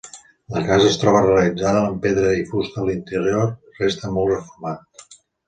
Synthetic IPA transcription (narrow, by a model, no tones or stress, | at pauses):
ləkazəːst̪ɾɔβəreəlid͡zaðəəmpeðɾəifust̪əlint̪əɾior | rest̪əmɔlˠrəfuɾmat̪